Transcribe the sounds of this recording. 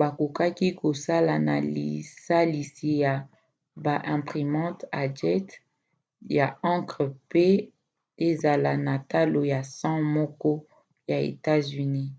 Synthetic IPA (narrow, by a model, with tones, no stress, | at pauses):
ba˨ku˨ka˦ki˦ko˨sa˦la˨na̰˨lḭ˨sa˦li˨si˨ja˨ | ba˨ʔɛ̃˨pʁi˨mɑ̃˦ta˨d͡ʒɛ˦t | ja˨ã˦kʁpe˦ | e˦za˨la˨na˨ta˦lo˨ja˨sɑ̃˦mɔ˦kɔ˦ | ja˨ḛ˨ta˦zy˨ni˦